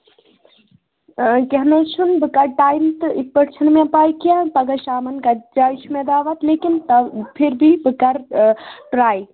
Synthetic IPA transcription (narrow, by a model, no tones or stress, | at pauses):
kɐɦnɐt͡ʃʰunbɨkɐɾʈaːjmt̪ɨik̚pɐɾt͡ʃʰɐnmẽpaːjkijãpɐɡɐʃaːmɐnkad͡ʒaːt͡ʃʰmẽd̪aːʋɐt̪leːkint̪ɐpʰiɾbʱibɨkɐɾʈɾaːj